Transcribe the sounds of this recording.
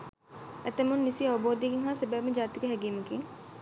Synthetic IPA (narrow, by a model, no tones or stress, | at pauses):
ɛt̪ɐmunːisiɐʋɐboːd̪ijkiŋɦaːsebɛːmed͡ʒaːt̪ikeɦɛɡiməkiŋ